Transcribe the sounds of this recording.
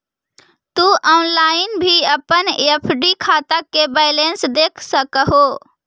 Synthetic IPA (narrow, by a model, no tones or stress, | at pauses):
t̪uʔɔːnlaːɪnbʱiəpənepʰɖikʰat̪akːebɛɪlensd̪eːkʰsəkəɦo